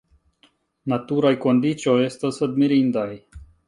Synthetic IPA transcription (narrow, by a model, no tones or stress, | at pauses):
nat̪uɾajkond̪it͡ʃiojest̪əsəd̪miɾind̪aj